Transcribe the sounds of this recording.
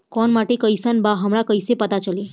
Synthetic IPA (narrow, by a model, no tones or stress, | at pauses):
kɔnmaʈekəjsənbaɦəmɾakəjsepət̪at͡ʃəli